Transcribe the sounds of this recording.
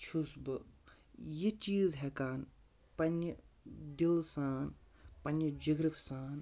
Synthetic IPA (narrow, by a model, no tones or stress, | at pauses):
t͡ʃʰusbɨ | jit͡ʃiːzɦɛkaːn | pɐnːɐd̪ilsaːn | pɐnjɐd͡ʒɐɡɾifsaːn